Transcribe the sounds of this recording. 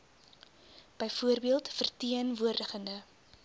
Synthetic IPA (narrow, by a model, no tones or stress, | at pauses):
b̥əjfuərbiəlˠtfərtiənvuərdəχəndə